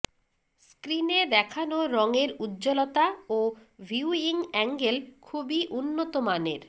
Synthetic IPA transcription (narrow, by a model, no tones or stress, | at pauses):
skɾined̪ɛkʰanoɾɔŋeɾud̪d͡ʑolot̪aobʱiuiŋɛŋɡelkʰubiʔunːot̪omanḛɾ